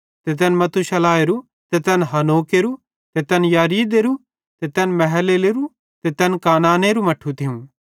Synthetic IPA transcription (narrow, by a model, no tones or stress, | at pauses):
t̪et̪̬ɛnmɐt̪ʰuʃɐlaːeɾu | t̪et̪ɛnɦɐnoːkeɾu | t̪et̪ɛnjaːɾiːd̪eɾu | t̪et̪ɛnmɛɦɛleleɾu | t̪et̪ɛnkaːnaːneɾumɐʈʰut̪ʰɪũ